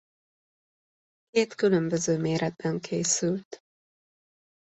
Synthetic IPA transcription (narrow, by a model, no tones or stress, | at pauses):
keːt̪kylømbøzøːmeːɾʔɛd̪̚bɛŋkʰeːsylt̪